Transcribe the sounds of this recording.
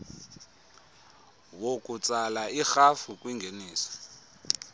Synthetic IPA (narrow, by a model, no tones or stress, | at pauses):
wokut͡sʼalaixafukʼwiŋɡʱeniːsɔ̥